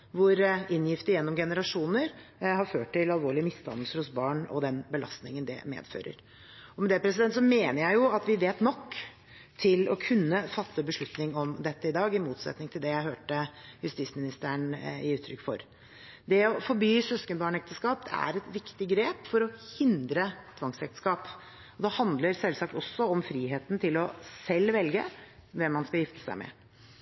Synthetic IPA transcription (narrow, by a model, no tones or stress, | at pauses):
ʋʊɾɪnjɪft̪əjɛnːɔmɡɛnəɾɑʂuːnəɾhɑɾføːʈːɪlɑlʋoːɭɪəmɪst̪ʰɑ̰nəl̩səɾhʊsbɑːɳɔ̰d̪ɛnbəlɑst̪nɪŋənd̪ɛ̰mḛːd̪fø̰ːɾə̰ɾ | ɔmɛd̪ɛpʰɾɛs̬ɪd̪ɛnt̪sɔmeːnəɾjæɪjʊɑt̪ʋɪʋeːt̪nɔkː | t̪ʰɪlɔ̰kʰʉnːəfɑt̪ːəbəʂɭʉt̪nɪŋɔmd̪ɛt̪ːəɪd̪ɑːɡɪmuːt̪sɛ̰t̪nɪŋt̪ʰɪld̪ɛjæɪɦøːʈəjʉst̪ismɪnɪst̪əəɳɪ̰ʉːt̪ʰɾʏkːfɔ̰ɾ | d̪ɛɔfɔɾbyːsœskənbɑːɳɛkt̪əskɑːp̪æ̰ɾɛt̪ʋɪkt̪ɪɡɾeːpfɔɾɔhɪnd̪ɾət̪ʰʋɑŋsɛkt̪ə̥skɑːp | ɔd̪ɛhɑnd̪ləɾsɛlsɑk̚t̪ɔsːɔɔmfɾiːɦeːt̪nt̪ʰɪlɔsɛlːʋɛlɡə̰ʋɛmːɑnskɑjɪft̪ə̥sæ̰ɪmɛ̰